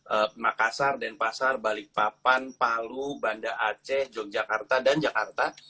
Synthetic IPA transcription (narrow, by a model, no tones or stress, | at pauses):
ʔəmakasardanpasarbalɪk̚papanpalubandaʔat͡ʃɛhd͡ʒɔk̚d͡ʒakart̪adand͡ʒakart̪a